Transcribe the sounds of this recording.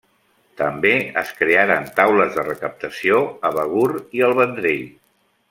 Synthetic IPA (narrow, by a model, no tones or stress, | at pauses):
t̪əmbeə̰skɾeaɾənt̪awləzðərəkəp̚t̪əsioəβəɣuɾiəlˠβənd̪ɾeʎ